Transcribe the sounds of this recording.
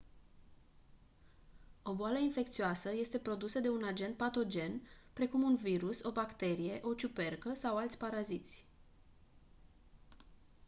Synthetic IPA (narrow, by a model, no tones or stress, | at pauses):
o̞boaləinfe̞kt̪sioasəje̞st̪e̞pɾo̞d̪usəd̪e̞unad͡ʒe̞nt̪̚pat̪o̞d͡ʒe̞npɾe̞kumunviɾuso̞bakt̪e̞ɾije̞ʔo̞t͡ʃupe̞rkəsawalt̪sʲpaɾazit̪sʲ